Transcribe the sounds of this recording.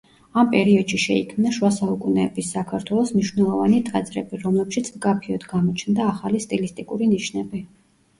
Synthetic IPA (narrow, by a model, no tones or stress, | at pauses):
ampʼɛɾiɔd̪̥ʃiʃɛikʰmnaʃwasaukʼunɛbisːakʰaɾt̪ʰwɛlˠɔsmniʃwnɛlˠɔvanit̪ʼad̪zʼɾɛ̰biɾɔmlɛpʃit̪sʰmkʼapʰiɔd̪ɡamɔt͡ʃʰnd̪aːχalist̪ʼilist̪ʼikʼuɾiniʃnɛbi